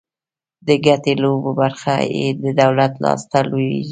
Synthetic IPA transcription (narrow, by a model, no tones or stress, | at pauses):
d̪əɡatelobobaɾxa̰jḛd̪əd̪awlat̪lɑ̰st̪aloi